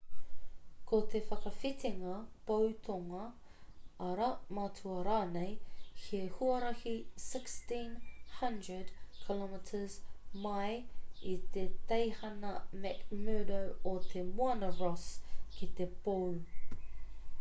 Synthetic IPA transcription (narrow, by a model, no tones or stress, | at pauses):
kʰot̪ʰefɐkɐfit̪ʰiŋɐpowt̪ʰoŋɐ | ɐɾɐmɐtʰuɐɾaːnejhʰehuɐɾɐhisɪkstĩnhɐ̃ndɹədkʰilɔmɪtʰəzmɐjit̪et̪ejhɐnɐmɛkmœːdowot̪ʰemuɐnɐɹɔskit̪epow